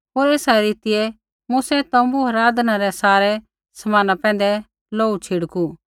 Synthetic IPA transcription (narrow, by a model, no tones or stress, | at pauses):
ɦoːɾeːsaɾiːt̪ɪɛ | musɛt̪ɐ̃mbuɦɐɾaːd̪naɾɛsaːɾɛ | sɐmaːnapɛ̃ːnd̪ɛ | loːut͡ʃʰiɽku